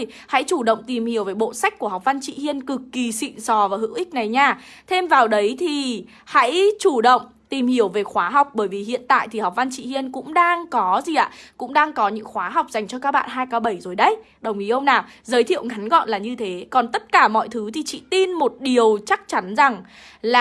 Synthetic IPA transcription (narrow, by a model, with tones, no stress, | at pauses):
ha̰˧˥jt͡ɕu˧˩ɗə̰˧˨ŋ͡mt̪i˨˩mhi˨˩əwveː˨˩jɓo̰˧˨sa˦˥k̟̚ku˧˩əha˨˩k͡p̚va˧nt͡ɕḭ˧˨hi˧ənkɨ˨˩kːi˨˩sḭ˧˨nsɔ˨˩vaː˨˩hɨ̰˧˥wʔï˦˥k̟̚na˨˩jɲaː˧ | t̪ʰe˧mvaː˨˩wɗə˨˦jt̪ʰi˨˩ | ha̰˧˥jt͡ɕu˧˩ɗə̰˧˨wŋ͡m | t̪i˨˩mhi˧˩əwve˨˩xwaː˨˦ɦa˨˩wk͡p̚ɓəː˧˩jvi˨˩hḭ˧˨ənt̪a̰ː˧˨jt̪ʰi˨˩ha˨˩wk͡p̚va˧nt͡ɕḭ˧˨hi˧ənkʊ̰˧˥ŋ͡mɗaː˧ŋkɔ˨˦zi˨˩ʔa̰ː˧˨kʊ̰˧˥ŋ͡mɗaː˧ŋkɔ˨˦ɲɨ̰˧˥ŋxwaː˨˦ɦa˨˩wk͡p̚za˨˩jŋ̟t͡ɕɔ˧kaː˦˥k̚ɓa̰ː˧˨nɦaː˧jkaː˨˦ɓə˧˩jzo˨˩jɗə˧j | ɗə˨˩wŋ͡mʔi˨˦ʔə˧wŋ͡mnaː˨˩wzəː˨˦jt̪ʰḭ˧˨əwŋa˨˦nɣɔ̰˧˨nlaː˨˩ɲɨ˧t̪ʰe˨˦kɔ˨˩nt̪ə˦˥t̚kaː˧˩mɔ̰˧˨jt̪ʰɨ˨˦t̪ʰi˨˩t͡ɕḭ˧˨t̪i˧nmo˨˩t̚ɗi˨˩əwt͡ɕa˦˥k̚t͡ɕa˨˦nza˨˩ŋ | la˨